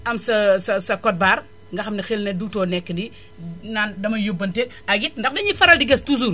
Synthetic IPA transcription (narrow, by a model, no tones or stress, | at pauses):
ɐmsɐsɐsɐkɔt̚baːɾ | ŋɡɐxɐmnixelnɐduɡ̚tɔːnɛkːəndi | naːndɐmɐjubɐnte | ɐɡit̚ndɐfdɐɲifɐɾɐldiɡɛstus̬uɾ